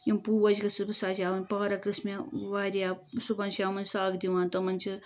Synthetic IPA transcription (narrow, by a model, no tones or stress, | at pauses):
jimpuʋɐd͡ʒɡɐsɨbɨsaːd͡ʒʲaːʋɐnʲpɐːɾɐkɨsmeʋaːɾjaːsupɐnʃaːmɐnsaːɡd̪iʋaːnt̪ɐmɐnʲt͡ʃʰi